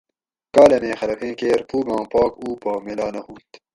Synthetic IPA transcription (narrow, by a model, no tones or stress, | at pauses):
kaːlɐmẽːxɐlɐkẽːkeːɾpʰuːɡɑ̃ːpɑːkuːpɐːmelaːnɐhũːt̪